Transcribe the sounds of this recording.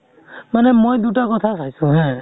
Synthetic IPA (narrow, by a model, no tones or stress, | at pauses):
manɛmojd̪utakɔt̪ʰasajsʊ̃ɦɛ̃